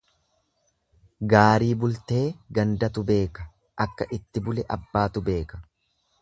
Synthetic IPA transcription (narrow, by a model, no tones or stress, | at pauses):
ɡaːɾiːbʊlt̪e̞ːɡɐnd̪ɐt̪ʊbe̞ːkɐ | ʔɐkːɐʔɪt̪ːɪbʊlɛʔɐbːaːt̪ʊbe̞ːkɐ̥